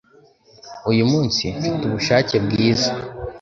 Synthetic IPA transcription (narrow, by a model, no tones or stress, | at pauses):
ujumuːnsifituβuʃaːcebɡiːza